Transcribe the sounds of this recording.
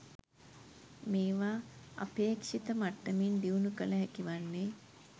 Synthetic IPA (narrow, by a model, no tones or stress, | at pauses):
meːʋaːa̰peːkʂit̪əmaʈːəmind̪iunukələɦækiʋanːeː